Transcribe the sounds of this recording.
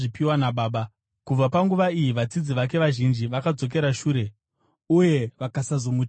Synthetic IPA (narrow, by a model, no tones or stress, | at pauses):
ʐipiwanaɓaːɓa | kub͡vapaŋɡuʋaijiʋat͡sid͡ziʋak̬e̞ʋaʒind͡ʒiʋakad͡zo̞k̬e̞ɾaʃuːɾe̞ | uje̞ʋakasazomu